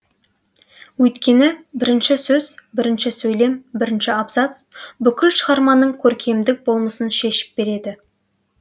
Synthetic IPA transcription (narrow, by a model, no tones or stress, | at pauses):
wɵjt̪kʲe̞nɪbɪɾɪnʃɪsɵzbɪɾɪnʃɪsɵjle̞mbɪɾɪnʃɪapzɑt̪sbʏkʲɪlʃəʁɑɾmɑnəɴkʲʰɵɾkʲʰe̞md̪ɪk̚bo̞lˠməsənʃe̞ʃɪ̥p̚b̥e̞ɾe̞d̪ɪ